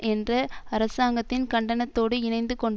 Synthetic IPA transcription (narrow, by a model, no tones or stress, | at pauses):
ʔɛndrɐɐɾɐsaːŋɡɐt̪ːɪnkɐɳɖɐnɐt̪ːoːɽɯɪnɐɪnd̪ɯkɔɳ